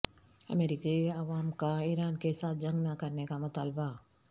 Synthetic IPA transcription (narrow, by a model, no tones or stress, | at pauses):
ɐ̰meːɾiːkiɐʋaːmkaiːɾaːnkesaːt̪̚ʰd͡ʒɐ̃ŋɡnakɐɾnekamʊt̪aːlba